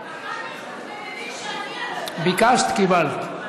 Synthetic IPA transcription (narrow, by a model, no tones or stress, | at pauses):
bikast̪kibalt̪